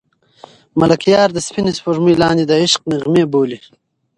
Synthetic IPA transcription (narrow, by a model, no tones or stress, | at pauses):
malakjɑːɾd̪əspinispoʐmijlɑːnd̪id̪əɪʃq̚niʁmeboːli